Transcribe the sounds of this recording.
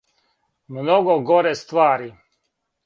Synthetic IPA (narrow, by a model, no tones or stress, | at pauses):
mnoɡoɡoɾest̪ʋaːɾi